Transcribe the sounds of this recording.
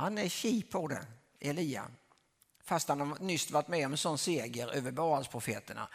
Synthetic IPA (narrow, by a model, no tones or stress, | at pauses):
hanɛɕiːpʰːɔd̪ɛ̰ | ɛliːa̰ | fast̪hanhanʏst̪vaʈ̪mɛɔmɛnsɔnseːɡəɾøːvəbɑːalspʰɾʊfeːt̪əɳa̰